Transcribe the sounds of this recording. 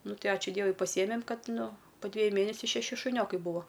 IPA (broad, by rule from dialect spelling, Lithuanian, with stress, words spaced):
ˈnʊ ˈtɐɪ ˈɑːt͡ʃʲʊ ˈdʲiɛʋʊɪ pɐˈsʲiɛmʲɛm ˈkɐt ˈnʊ poː ˈdʲʋʲeːjʊ ˈmʲeːnʲɛsʲʊ ʃʲɛˈʃʲɪ ʃʊˈnʲoːkɐɪ ˈbʊʋoː